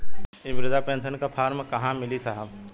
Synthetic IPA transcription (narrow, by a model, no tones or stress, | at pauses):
ɪʋɾɪd̪apẽːnsənkapʰaːɾmkɐɦãmɪlisɐɦəb